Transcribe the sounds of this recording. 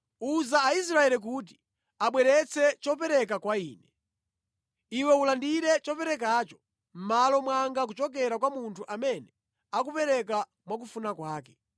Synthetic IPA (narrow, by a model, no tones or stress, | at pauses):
uzaːis̬ɾaɛlik̬ut̬i̥ | aɓwɛɾɛt͡sʰɛt͡ʃɔpɛɾɛk̬akwaiːnɛ | iwɛulandiɾɛt͡ʃɔpɛɾɛk̬at͡ʃɔ̥ | m̩malɔmwaŋɡak̬ut͡ʃɔk̬ɛɾakwamuntʰuʔamɛnɛ | akupɛɾɛka | mwak̬ufunakwaːkɛ̥